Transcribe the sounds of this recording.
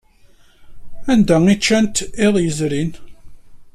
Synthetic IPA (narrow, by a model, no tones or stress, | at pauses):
ænd̪æit͡ʃːænt̪eðˤjəzɾin